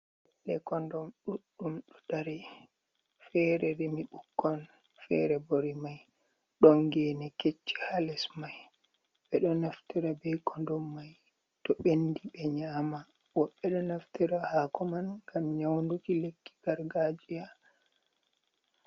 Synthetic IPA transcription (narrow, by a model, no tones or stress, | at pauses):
lɛkɔndɔmɗuɗːumɗɔdaɾɛ | fɛɾɛɾemiɓukːɔn | fɛ̰ɾɛboɾimaj | ɗɔnɡɛnɛket͡ʃːi̥halɛsmaj | ɓɛɗɔnaftiɾabɛkɔndɔmːaj | tɔɓendiɓɛɲaːma | wɔɓːɛɗɔnaftiɾahaːkɔmanŋɡamɲawndukilekːi̥ɡ̥aɾɡad͡ʒija